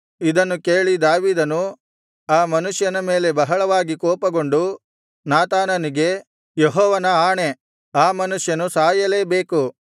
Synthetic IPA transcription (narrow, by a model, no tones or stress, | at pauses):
id̪ɐnːukeːɭid̪aːʋiːd̪ɐnu | aːmɐnuʂjɐnɐme̞ːle̞bɐɦɐɭɐʋaːɡikɔːpɐɡo̞ɳɖu | naːt̪aːnɐniɡe̞ | jeɦɔːʋɐnɐaːɳe̞ | aːmɐnuʂjɐnusaːjɐle̞ːbe̞ːku